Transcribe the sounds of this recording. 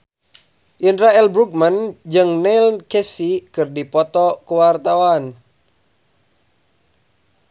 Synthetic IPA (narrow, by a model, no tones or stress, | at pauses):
ʔindɾaɛlbɾuk̚mand͡ʒɨŋnɛlkɛsikɨrdipɔt̪ɔkuwart̪awan